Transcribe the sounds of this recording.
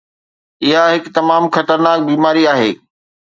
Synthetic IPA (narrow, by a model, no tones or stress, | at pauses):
ɪɦaɦɪkt̪ɐmaːmxɐt̪əɾnaːk̚biːmaːɾiaːɦeː